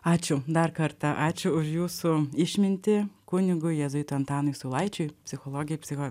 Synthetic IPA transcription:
ɑːt͡ʃʲʊd̪ɐrkɐɾt̪ɐʔɑːt͡ʃʲʊʊʃjuːsʊɪʃʲmʲɪnʲt̪ʲɪkʊnʲɪɡʊjjɛzʊjt̪ʊɐnt̪ɑːnʊɪjsʊːlˠɐɪt͡ʃʲʊjpʲsʲɪxolˠoːɡʲɪjɛpʲsʲɪxo

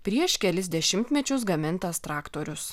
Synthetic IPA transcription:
pʲɾʲiɛʃkʲɛlʲɪsʲd̪ʲɛʃʲɪmʲt̪ʲmʲɛt͡ʃʲʊs̬ɡɐmʲɪnt̪ɐst̪ɾɑːkt̪oːɾʲʊs

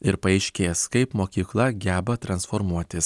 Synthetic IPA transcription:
ɪɾpɐɛɪʃʲkʲeːskɐɪpmoːkʲiːklˠɐɡʲæːbɐt̪ɾɐnsfoːɾmuɔt̪ʲɪs

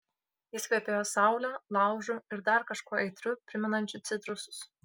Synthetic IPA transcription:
jɪsʲkʲipʲejoːsɑˑʊlʲoːlˠɑˑʊʒʊɪɾd̪ɐɾkɐʃkuɔɛɪt̪ʲɾʲʊpʲɾʲɪmʲɛnɐnʲt͡ʃʲʊt̪sʲɪt̪ɾʊsʊ̥s

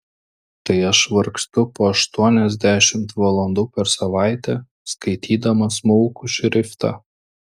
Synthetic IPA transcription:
t̪ɐɪɐʃʋɐɾkst̪ʊpoːɐʃt̪uɔnʲɛzʲd̪ʲæʃʲɪmt̪ʋɐlˠɔnd̪uːpʲɛɾsɐʋɑˑɪt̪ʲɛ | skɐɪt̪ʲiːd̪ɐmɐsmɔʊkʊʃʲɾʲɪft̪ɑ̰ː

